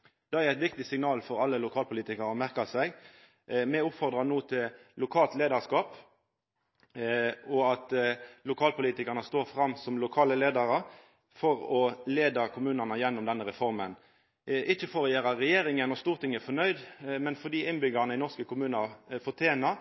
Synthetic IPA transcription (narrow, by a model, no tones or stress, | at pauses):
d̪̥ɛæɾæɪt̪ʋɪk̚t̪ɪsɪŋnɑːlfɔɾɑlːəlʊkʰɑːlpʰʊliːt̪ɪkɑɾɔmæʁkɑsæɪɡ | mɛʊpfɔʁd̪ʁɑnuːt̪ʰɪllʊkʰɑːlt̪leːd̪ɑʁskɑːp | ɔɑt̪lʊkʰɑːlpʊliːt̪ɪkɑʁnəst̪oːɾfɾɑmːsɔmlʊkʰɑːləleːd̪ɑɾə | fɔɾɔleːd̪ɑkʰʊmʉːnənəjɛnːɔmd̪ɛnːəʁɛfɔɾmən | ʔɪçːəfoːʁəjeːɾɑɾɛjeːɾɪŋənɔst̪uːʁt̪ʰɪŋːəæfɔnœʏd̪mɛnfɔd̪iːʔɪnbʏɡɑnəɪnɔʁskəkʰʊmʉːnɑfɔʁt̪ʰjeːnɑ